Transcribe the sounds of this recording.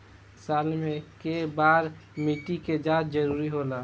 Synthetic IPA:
saːlmẽkebaːɾ | miʈiked͡ʒaːt̪̚d͡ʒəɾuːɾiɦoːlaː

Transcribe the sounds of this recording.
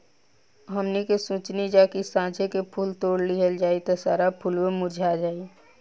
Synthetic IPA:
ɦəmnikesũːt͡ʃnid͡ʒaːkisãːd͡ʒʱekepʰuːlt̪oːɽliɦəld͡ʒaːit̪osaːɾapʰuːlmemʊɾd͡ʒʱaːd͡ʒaːi

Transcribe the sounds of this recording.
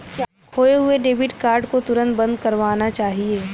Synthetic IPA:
hoːeɦʊeɖeːbɪʈkaːɾɖkot̪ʊɾə̃nt̪̚bɐ̃nd̪kɐɾʋaːnat͡ʃaːɦieː

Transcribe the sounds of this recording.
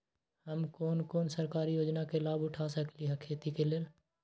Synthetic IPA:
həmkoːnkoːnsəɾkaːɾijoːd͡ʒnakelaːbʊʈʰasəkliɦɛkʰeːt̪ikeleːl

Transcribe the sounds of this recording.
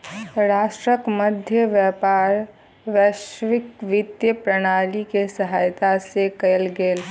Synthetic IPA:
ɾaːʃʈɾəkməd̪ʱjəʋjɛːpaːɾ | ʋjɛʃʋɪkʋɪd̪jəpɾəɽ̃aːlikesəɦaːjt̪asekɐlɡeːl

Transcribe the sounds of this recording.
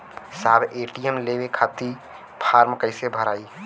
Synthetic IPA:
saːbeʈijəmlebekʰat̪i | pʰaːɾmkəɪsebʱəɾaːi

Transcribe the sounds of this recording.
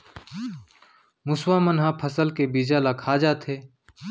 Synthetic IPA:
mʊswamənɦãpʰəsəlkebiːd͡ʒalakʰaːd͡ʒaːt̪ʰeː

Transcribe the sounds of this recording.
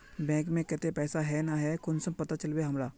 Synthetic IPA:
bɛ̃ːŋkmẽkɛt̪epɛːsaɦɛnaɦɛkʊnsəmpɐt̪at͡ʃɐlbeɦɐmɾaː

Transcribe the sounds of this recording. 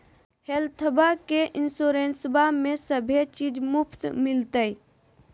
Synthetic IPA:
helt̪ʰəbakeʔɪnsoːɾeːnsbamẽsəbʱet͡ʃiːd͡ʒmʊpʰt̪mɪlt̪əj

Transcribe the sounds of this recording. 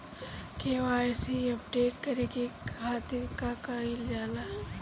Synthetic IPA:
keːʋaːesiɐpɖeːʈkɐɾekekʰaːt̪ɪɾkakaild͡ʒaːla

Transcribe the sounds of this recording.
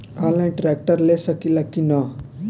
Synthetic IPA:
alãʈɾek̚ʈəɾlesəkilakina

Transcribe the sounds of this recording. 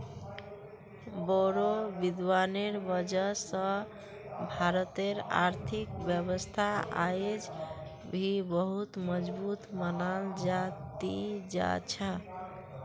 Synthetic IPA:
boɾobid̪ʋaneɾbəd͡ʒəsə̃ | bʱaɾət̪eɾa̰ɾt̪ʰikbjəβəst̪ʰaa̰jed͡ʒ | bʱibəɦut̪məd͡ʒbut̪mənald͡ʒat̪id͡ʒa̰t͡ʃʰə

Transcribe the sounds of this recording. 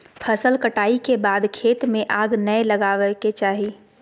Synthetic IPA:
pʰəsəlkəʈaːikebaːd̪kʰeːt̪mẽʔaːɡnəeləɡaːʋɛket͡ʃaːɦi

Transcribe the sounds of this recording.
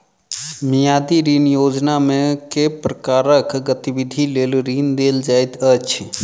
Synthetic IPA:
mijad̪iɾinjod͡ʒnamẽkepɾəkaːɾəkɡət̪ibid̪ʱileːlɾiːnd̪eld͡ʒaːjt̪ət͡ʃʰ

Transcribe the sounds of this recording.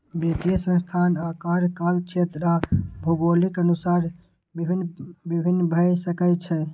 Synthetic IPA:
bet̪ijəsə̃st̪ʰanakaɾkalt͡ʃʰet̪ɾabʱoɡolikənusaɾʱ | inbibʱinːbʱəjsəkɛt͡ʃʰɛ

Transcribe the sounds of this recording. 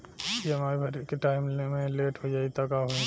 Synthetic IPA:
jemaːibʱɐɾkeʈaːɪmlmẽleːʈɦod͡ʒaːit̪akaɦõ

